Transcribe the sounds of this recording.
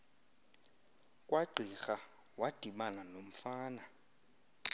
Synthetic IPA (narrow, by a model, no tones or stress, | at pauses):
kʼwaǃʱiχa | watʼiɓananom̩faːna